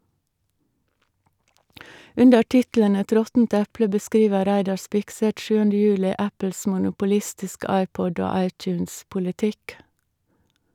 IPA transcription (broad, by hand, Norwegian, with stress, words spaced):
ˈʉndə ˈʈɪtl̩ən ˈɛt ˈɾɔtn̩t ˈɛplə bəˈskɾiːʋə ˈɾæɪdɑ ˈspɪkˌsɛt ˈʃʉːəndə ˈjʉːlɪ ˈæpəls mʊnʊpʊˈlɪstɪskə ˈɑɪˌpɔd ˈoː ˈɑɪˌtjʉːnspʊlɪˌtɪk